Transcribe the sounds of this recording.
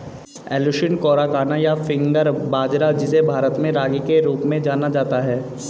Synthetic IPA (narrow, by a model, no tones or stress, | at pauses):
ɛːluʃɪnkɔːɾakaːnajafɪ̃ŋɡəɾbaːd͡ʒɾad͡ʒɪsebʱaːɾət̪mẽɾaːɡikeɾoːpmẽd͡ʒaːnad͡ʒaːt̪aɦɛː